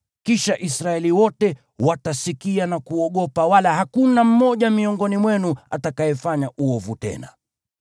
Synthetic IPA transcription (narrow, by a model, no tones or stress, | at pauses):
kiʃaʔisɾaɛliwɔtɛ | watasikianakuɔɠɔpawalahakunam̩mɔʄamiɔŋɡɔnimwɛnua̰takajɛfaɲaʔuɔvutɛ̰na̰